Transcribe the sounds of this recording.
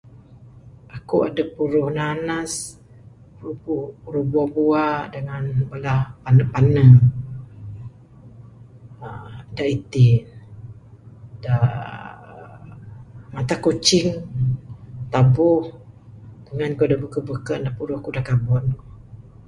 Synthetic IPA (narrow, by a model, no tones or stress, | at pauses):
ʔakuʔa̰dəpuɾʊhnanas | uupuɾuhbuabuadəŋanbəlahpanəpanə | daʔit̪ɪ | da | mat̪akot͡ʃɪŋ | t̪abʊh | d̥əŋankuadəbukəbəkəʔdapuɾʊhakudakabɔn